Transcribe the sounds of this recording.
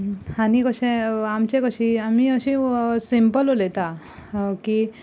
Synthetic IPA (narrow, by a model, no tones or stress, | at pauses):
anikəɕẽamt͡ɕekəɕiamiəɕĩsimpəlolet̪a | ki